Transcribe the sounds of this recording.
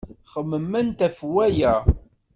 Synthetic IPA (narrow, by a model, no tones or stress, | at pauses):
χəmːəmːænt̪æfwæjæ